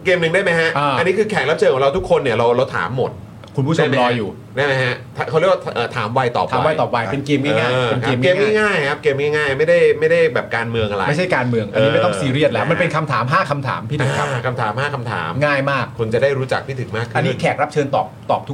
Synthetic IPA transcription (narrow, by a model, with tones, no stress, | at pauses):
keː˧mnɯ˨˩ŋdaː˥˩jma˦˥jha˦˥ʔaː˧˩a˧nːi˦˥kʰɯː˧kʰɛː˨˩k̚ɾa˦p̚t͡ɕʰɤː˧nkʰɔ˨˦ɾa˧wt̪ʰu˦˥kʰo˧nːi˥˩ɐɾa˧wɾa˧wt̪ʰa̰ː˨˩˦mːo˨˩t̪̚ | kʰu˧npʰuː˥˩o˩˧mɾɔː˧jjuː˨˩ | naː˥˩jma˦˥ha˦˥t̪ʰa˧˩ka˥˩ɾ̚wa˥˩t̪ʔɤː˨˩t̪ʰaː˩˦mwa˧jt̪ɔ̰ː˨˩pʰa˩˦a̰˧ma˧jt̪ɔː˨˩p̚wa˧jpe˧nkeː˧mŋaː˥˩ŋaː˥˩je˧nkeː˧mkeː˧˥ŋa˥˩jŋaː˥˩jkʰa˦˥p̚keː˧mŋaː˥˩jŋaː˥˩jma˥˩jda˥˩jma˥˩jda˥˩jbɛː˨˩p̚kaː˧nmɯ˧əŋʔa˧ɾa̰˧ma˥˩jt͡ɕʰa˥˩jkaː˧nmɯ˧əŋʔa˧nːi˦˧m˥t̪ɔ˥ŋsiː˧ɾi˥˩ət̪̚lɛː˦˥wma˧npe˧nkʰa˧mt̪ʰaː˩˦mɦaː˥˩kʰa˧mt̪ʰa̰ː˩˦mt̪ʰiː˥˩˨a˦˧kʰa˧mt̪ʰaː˩˦mhaː˥˩kʰa˧mt̪ʰa̰ː˩˦mŋaː˥˩jmaː˥˩k̚kʰːo˧nt͡ɕa˨˩daː˥˩jɾuː˦˥t͡ɕa̰˨˩k̚tʰiː˥˩ɯ˩˦ŋmaː˥˩kʰʔa˧nːiː˦˧˦kʰɛː˨˩k̚ɾa˦˥p̚t͡ɕʰɤː˧nt̪ɔː˨˩p̚t̪ɔː˨˩p̚t̪ʰu˦˥